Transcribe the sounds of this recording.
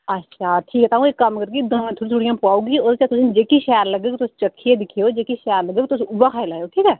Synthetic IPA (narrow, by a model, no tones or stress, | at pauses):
ətːʃʰaːʈʰiːkɛt̪aːũekːɐmkəɾkid̪əmẽt̪ʰoːɽit̪ʰuɽijãːpaːuːɡiod̪t͡ʃat̪ʊsind͡ʒeːkiʃɛːəɾləɡekit̪ʊst͡ʃəkʰːied̪ɪkʰijod͡ʒeːkiʃɛːɾləɡeːkit̪ʊsʊbakʰaːelaːjoʈʰiːkɛː